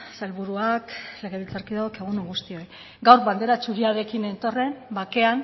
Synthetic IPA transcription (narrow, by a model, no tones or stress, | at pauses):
salβuɾuakleɣeβilt͡saɾkiðaokeɣ̞unuŋɡust̪io̞j | ɡawɾβand̪e̞ɾat͡ʃuɣiaɾe̞kine̞nt̪o̞re̞mbake̞an